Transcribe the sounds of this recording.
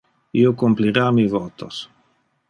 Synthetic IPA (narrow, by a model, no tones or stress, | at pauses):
iokumpliɾaːmivot̪o̰s